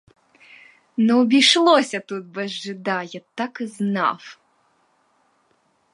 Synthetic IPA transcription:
nɔɔbʲijʂlˠɔsʲɐt̪ut̪̚bɛʒːɨd̪ajat̪akɨzna̰f

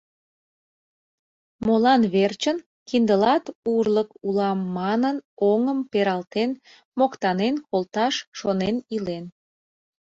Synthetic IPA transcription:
molɑnβert͡ɕən | kind̪əlɑt̪urləkulɑmːɑnənoŋəmpeɾɑlt̪en | mokt̪ɑnenkolt̪ɑʃʃonenilen

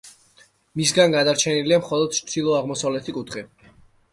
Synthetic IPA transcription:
mis̬ɡanɡad̪aɾt͡ʃʰɛniliamχɔlˠɔd̪̥t͡ʃsdilˠɔaʁmɔsavlɛt̪ʰikʼut̪ʰχi

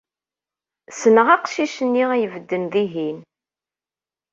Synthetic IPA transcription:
sənəʁaqʃiʃənːiʁæjəvəd̪ːənðiɦin

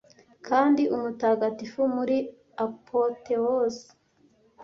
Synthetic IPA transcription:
kʰaːndiʔumutaːɡatifumuɾi | apʰotewos

